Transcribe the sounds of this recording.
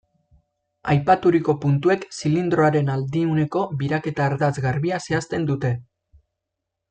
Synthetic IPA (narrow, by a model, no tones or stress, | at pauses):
ajpat̪uɾiko̞punt̪ue̞ksilind̪ɾo̞aɾe̞nald̪iune̞ko̞βiɾake̞t̪aːɾðazɣarβiase̞ast̪e̞nd̪ut̪e̞